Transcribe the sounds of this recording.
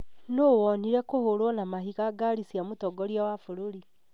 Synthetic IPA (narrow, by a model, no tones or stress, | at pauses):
noːwɔniɾɛkohoɾwɔnamaɦiɣaɡaɾisiamotɔɡɔɾjawafoɾoɾi